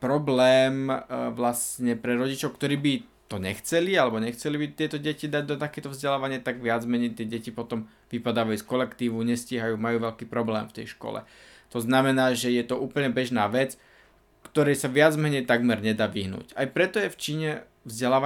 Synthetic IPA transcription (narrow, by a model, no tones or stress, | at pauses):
pɾɔblɛːmʋlast̪ɲɛpɾɛɾɔɟit͡ʃɔʊkt̪ɔɾiːbi | t̪ɔɲɛxt͡sɛlialɛbɔɲɛxt͡sɛlibit̪ɪɛt̪ɔɟɛcid̪aɟ̚d̪ɔt̪akɛːt̪ɔvzɟɛlaːʋaɲɪat̪aɡʋɪad͡zmɛɲɛjt̪ɪɛɟɛcipɔt̪ɔm | ʋipad̪aːʋajuskɔlɛkt̪iːʋuɲɛsciɦajuːmajuːʋɛʎkiːpɾɔblɛ̰ːmft̪ɛ̰jʃkɔ̰lɛ̰ | t̪ɔznamɛnaːʒɛjɛt̪ɔʔuːpl̩ɲɛbɛʒnaːʋɛt͡s | kt̪ɔɾɛjsaʋɪad͡zmɛɲɛjt̪aɡmɛɾɲɛd̪aːʋiɦnṵːcajpɾɛt̪ɔjɛft͡ʃiːɲɛ | vzɟɛlaːʋa